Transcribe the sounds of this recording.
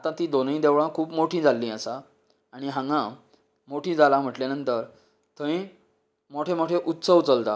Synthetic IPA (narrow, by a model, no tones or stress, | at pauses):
at̪ãt̪id̪onĩd̪eʋɭãkʰuːpmoʈʰĩd͡zalːĩːasa | aɽ̃iɦãŋɡã | moʈʰĩːd͡zalam̤əʈljanənt̪əɾ | t̪ʰəĩ | moʈʰemoʈʰeʔut̪səwt͡səlt̪a̰